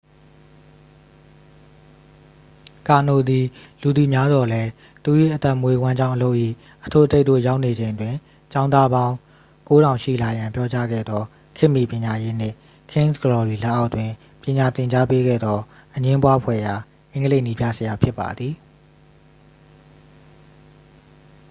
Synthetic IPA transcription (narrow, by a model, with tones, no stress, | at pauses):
ka˨no˨d̪i˨lu˨d̪i˨mja˦zwɔ˨lɛ˦ | t̪u˨ji˦˨ʔət̪ɛ˦˨mwe˨wã˦ɲd͡ʑã˦ʊ̃ʔəlo˦ʊʔḭ˦˨ | ʔətʰo˦˨ʔətʰe˦˨ʔto̰˦˨ja˦ʊʔne˨d͡ʑẽ˨ɪ̃˨twɪ̃˨ | t͡ɕã˦ʊ̃nd̪a˦bã˦ʊ̃ | ko˦ɾã˨ʊ̃ʃḭ˦˨la˨jã˨mpjɔ˦t͡ɕa̰˦ɡɛ̰˦˨d̪ɔ˦ | kʰɪ̃˦ʔmːḭ˨pjɪ̃˨ɲa˨je˦n̥ɪ̰̃˦˨ | kʰɪ̃˦nsɡəɹɔ˨ɹi˨la˦˨ʔa˦ʊʔtwɪ̃˨ | pjɪ̃˨ɲa˨t̪ɪ̃˨ɲt͡ɕa˦pe˦ɡɛ̰˦˨d̪ðɔ˦ | ʔəɲɪ̃˦mpwa˦pʰwɛ̰˦˨ja˨ | ʔɪ̃˦ŋɡəle˦ɪʔni˦bja̰˦˨zəja˨pʰjɪ˦pːa̰˨d̪ði˨